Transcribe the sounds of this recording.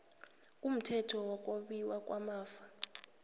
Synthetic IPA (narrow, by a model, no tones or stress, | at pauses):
kʼum̩tʰɛtʰɔwɔk̬ʼoɓiwakʼwamaːfa